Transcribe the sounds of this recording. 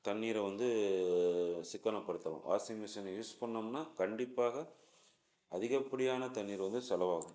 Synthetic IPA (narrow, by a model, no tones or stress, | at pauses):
t̪ɐnːiːɾɐʋɐnd̪ɯ | sɪkːɐnɐpːɐɽɯt̪ːɐlã̰ːʋʔa̰ːsmɪsɐnɐjuːspɐɳːɐmnːaːkɐɳɖɪpːaːɣɐ | ɐðɪɣɐpːɐɽɪjaːnɐt̪ɐnːiːɾʋɐnd̪ɯsɛlɐʋaːɣʊ̃